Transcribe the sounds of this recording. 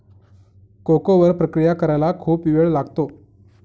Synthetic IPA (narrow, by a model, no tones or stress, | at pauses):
kokoʋəɾpɾəkɾijakəɾajlakʰuːpiʋeɭlaɡt̪o